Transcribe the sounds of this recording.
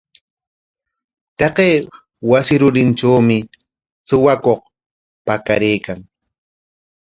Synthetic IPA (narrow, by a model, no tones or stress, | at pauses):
t̪ɑqeː | wasɪɾʊɾɪnʈ͡ʂaːmɪ | sʊwakoq | paka̰ɾeːkaŋ